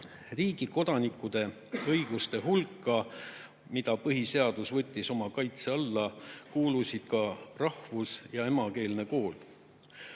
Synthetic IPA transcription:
riːɡ̥iko̞d̪̥ɑnikːˑud̪̥e̞ | ɤjɡ̥ust̪e̞ɦulkːˑɑ | mid̪̥ɑpɤɦise̞ɑd̪̥usvɤt̪ʲːˑiso̞mɑkɑjt̪se̞ɑlːɑkuːlusid̪̥kɑrɑhvusjɑe̞mɑke̞ːlne̞ko̞ːl

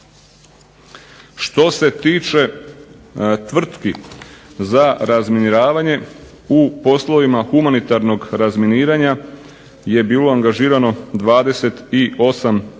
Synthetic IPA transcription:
ʃt̪o̞se̞t̪iːt͡ʃe̞ | t̪ʋr̩t̪ki | zaɾazminiɾaːʋaɲe̞ | upo̞slo̞ʋimaxumanit̪aɾno̞ɡɾazminiːɾaɲa | je̞biːlo̞aŋɡaʒiːɾano̞d̪ʋaːd̪e̞se̞t̪io̞sam

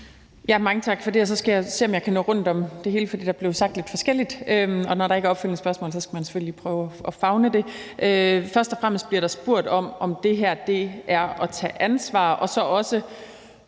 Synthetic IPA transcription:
jæmɑ̈ŋət͡sʰɑ̈ɡ̥fɒ̽d̥e̝æs̬ɒ̽sɡ̥æjɑ̈se̝̰ːɒmjɑ̈ɪkʰænɔ̰̽ːʁɔ̽n̰d̥ɒ̽md̥e̝he̝ːləfɒd̥ḭːd̥ɑ̈ble̝ʊsɑ̈ɡ̥d̥le̝d̥fɒ̽sɡ̥el̰id̥øɒ̽nɒɾɑ̈eɡ̥æɐɒb̥felnəsb̥ɶɐsmɔ̰̽ːlsɒ̽sɡ̥æmænse̥føllipʰʁœːʊɒfɑ̈ʊnəd̥e̝ʔøfɶɐsd̥ɒfʁam̰əsd̥̚b̥liɐɾ̥ɑ̈sb̥o̝ɐ̰d̥ɒ̽mɒ̽md̥e̝ɦæɐ̰d̥e̝æɐɒ̽t͡sʰɛ̰ːʔænsʋɑ̰̈ːʔɒ̽sɒ̽ʔɒ̽sə

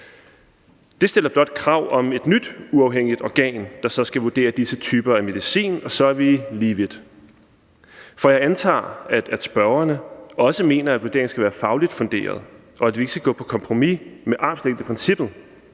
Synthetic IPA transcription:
d̥e̝sd̥e̝l̰ɐb̥lɒ̽d̥̚kʰʁɑ̈ʊ̰ɒ̽me̝d̥nyd̥uɑ̈ʊɦeŋ̰id̥ɒɡ̥ɛ̰ːnd̥ɑ̈sɒ̽sɡ̥æʋud̥e̝̰ːɐd̥isət͡sʰyːb̥ɐæme̝ð̞ˠisḭːnɒ̽sɒ̽æɐʋiliːʋid̥ | fɒ̽jɑ̈ɪænt͡sʰɑ̰̈ːæd̥æd̥sb̥ɶɐɐnəɒ̽səme̝̰ːnɐæd̥ʋud̥e̝ɐŋ̩sɡ̥æʋæːɐfɑ̈ʊlid̥fɔ̽nd̥e̝̰ːɐð̞ˠ | ʔɒ̽æd̥ʋie̝ɡ̥əsɡ̥æɡ̥ɔ̰̽ːpʰɒ̽kʰɒ̽mpʰʁo̝mimeʔɑ̈b̥sleŋd̥əpʰʁɛnsib̥ð̩ˠ

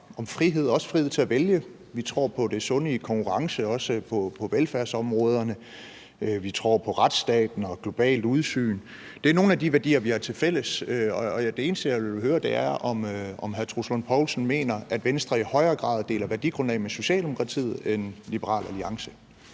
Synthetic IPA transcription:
ɒ̽mfʁiɦe̝ð̞̰ˠɒ̽sə̥fʁið̞̰ˠt͡sʰe̝æʋeljə | ʋit͡sʰʁɔ̰ːpʰɒ̽d̥e̝sɔ̽nəkʰɒ̽ŋkʰuʁɑ̈ŋsəɒ̽səpʰɒ̽pʰɒ̽ʋelfæɐsɒ̽mʁɔːð̞ˠɐnə | ʋit͡sʰʁɔ̰ːpʰɒ̽ʁad̥sd̥ɛ̰ːd̥n̩ɒ̽ɡ̥lo̝b̥ɛ̰ːld̥uð̞ˠsy̰ːn | d̥e̝æɐno̝ːn̩æd̥iʋæɐd̥ḭːɐʋihɑ̈t͡sʰe̝lfel̰əsøɒ̽ɒd̥e̝e̝ːnsd̥əjæɦøːɐd̥e̝æɐʔɒ̽mɒ̽mɦæɐt͡sʰʁuslonpʰɒʊlsn̩me̝̰ːnɐʔæd̥ʋensd̥ʁɐihɒ̽ɪɐːɡ̥ʁɑ̰̈ːðˠd̥e̝ːlɐʋæɐd̥ḭɡ̥ʁɔ̽nɛ̰ːmeso̝ɕɛ̰ːld̥e̝mo̝kʰʁɑ̈t͡sʰḭð̩ˠenlib̥əʁɑ̰̈ːlæliɑ̈ŋsə̥

